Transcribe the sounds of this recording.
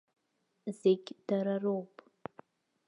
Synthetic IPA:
zeɡʲd̥aɾarowpʼ

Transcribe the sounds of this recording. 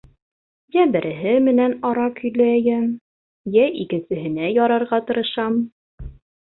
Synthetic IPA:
jæbɘ̆ɾʔɘ̆ɦɘmɘ̆nænɑɾɑkʰɵ̆jlæjæm | jæʔikɘ̆nsɘ̆ɦɘ̆næjɑɾɑɾʁɑt̪ɤ̆ɾɤ̆ʃɑm

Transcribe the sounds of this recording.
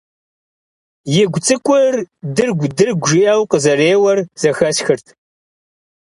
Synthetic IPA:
jɪɡʷt͡sʼɨkʷʼʊrdɨrɡʷdɨrɡʷʒiʔɐwqəzɐreːwɐrz̥ɐxɐsxɨrtʰ

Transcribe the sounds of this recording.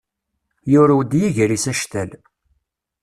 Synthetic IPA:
jʊɾawd̪jiʝɾisæʃt̪æl

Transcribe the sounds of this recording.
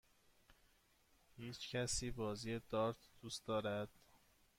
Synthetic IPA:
hiːt͡ʃcʰæsiːbɒːziːjed̪ɒːɾt̪ʰd̪̥uːst̪d̪ɒːɾæd̪̥

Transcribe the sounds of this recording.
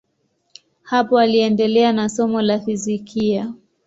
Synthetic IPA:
hapɔaliɛndɛlɛanasɔmɔlafizikʰia

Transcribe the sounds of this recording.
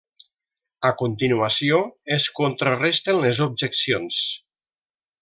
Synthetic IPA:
akont̪inuasioeskont̪ɾarɛst̪enlezob̚ʒeksions

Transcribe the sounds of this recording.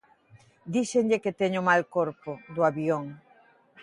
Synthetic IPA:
d̪iseŋʎeket̪eɲʊmalkoɾpʊd̪ʊaβioŋ

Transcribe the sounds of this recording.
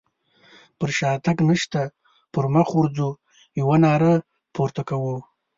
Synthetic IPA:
pəɾʃɑt̪aknəʃt̪a | pəɾmaxuɾd͡zu | jawanɑɾə | poɾt̪akawu

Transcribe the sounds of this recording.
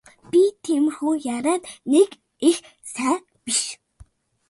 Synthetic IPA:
pʲit̪ʰem̆xuːjaɾaːt̪nek | ex | sæː | piʃ

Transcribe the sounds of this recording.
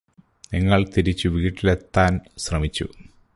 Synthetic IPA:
niŋːɐɭt̪iɾit͡ɕːuʋiːʈːilet̪ːaːnsrɐmit͡ɕːṵ

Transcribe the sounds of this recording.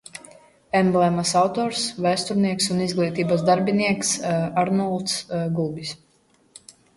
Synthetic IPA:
ɛmblˠɛmasawt̪ɔːɾsvæjst̪uɾniɛksunizɡlˠiːt̪iːbasd̪aɾbʲiniɛksaɾnɔlˠt̪sɡubʲis

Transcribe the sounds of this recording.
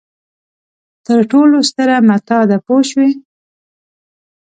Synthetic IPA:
t̪əɾʈolost̪əɾamat̪ɑd̪apoʃwe

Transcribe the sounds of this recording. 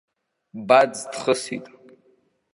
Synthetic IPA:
bad͡zt̪χəsḭtʼ

